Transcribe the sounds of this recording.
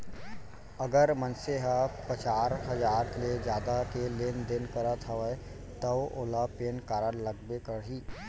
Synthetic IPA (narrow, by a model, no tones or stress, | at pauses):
ɐɡəɾmə̃nseɦapət͡ʃaːɾɦɐd͡ʒaːɾkled͡ʒjaːd̪akeleːnd̪ɪnkəɾət̪ʰɐʋə | t̪əʋoːlapeːnkaːɾənləɡ̚bekəɽɦiː